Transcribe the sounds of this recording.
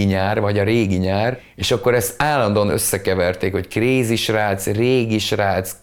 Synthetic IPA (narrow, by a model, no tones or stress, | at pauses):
iɲaːrvɒɟɒɾeːɡiɲaːr | eːʃɒkːo̞ɾɛst̪aːlɒnd̪oːnø̰sːɛkɛvɛrt̪eːkho̞ckreːziʃraːt̪sreːɡiʃraːt̪s